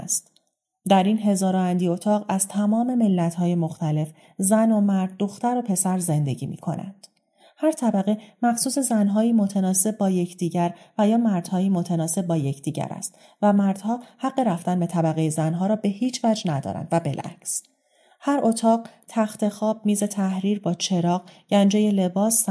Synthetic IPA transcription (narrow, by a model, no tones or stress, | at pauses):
st̪ | d̪æɾiːnɦe̞zɒːɾɒænd̪iːo̞t̪ʰɒːʁæz̥t̪ʰæmɒːme̞melːæt̪hɒːje̞mo̞xt̪ʰæle̞f | zæno̞mæɾd̪̚ːo̞xt̪æɾo̞pʰe̞sæɾze̞nd̪e̞ɟiːmḭːkʰo̞̰næ̰nd̪̥ | hæɾt̪ʰæbæɣemæxsuːse̞zænɦɒːiːmo̞t̪ʰænɒːse̞b̚bːɒːje̞cʰd̪̥iːɟæɾvæjɒːmæɾd̪̥hɒːjiːmot̪ʰenɒːse̞b̚ːɒːje̞cʰd̪iːɟæ̰ɾæ̰st̪ | væmæɾd̪̥hɒːhæɢːe̞ɾæft̪ænbe̞t̪ʰæbæɣe̞jezænɦɒːɾɒːbe̞hiːt͡ʃʰvæd͡ʒnæd̪ɒ̰ːɾæ̰nd̪væbelʔæ̰cs | hæɾʔot̪ʰɒːɢt̪ʰæxt̪e̞xɒːb̥̚miːze̞t̪ʰæhɾiːɾbɒːt͡ʃʰe̞ɾɒːɣɟ̥ænd͡ʒeje̞le̞bɒːs